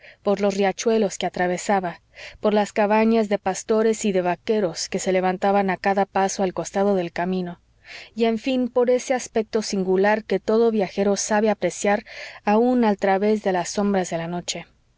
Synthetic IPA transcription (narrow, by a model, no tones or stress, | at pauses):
po̞ɾlo̞srjat͡ʃwe̞lo̞skeat̪ɾaβ̞e̞saβa | po̞ɾlaskaβaɲazðe̞past̪o̞ɾe̞siðe̞βake̞ɾo̞ske̞se̞le̞βant̪aβanakaðapaso̞alko̞st̪aðo̞ðe̞lkamĩno̞ | ie̞ɱfĩnpo̞ɾe̞seaspe̞k̚t̪o̞siŋɡulaɾke̞t̪o̞ðo̞βjaxe̞ɾo̞saβe̞apɾe̞sjaɾaunalt̪ɾaβe̞zðe̞lasːo̞mbɾazðe̞lano̞t͡ʃe̞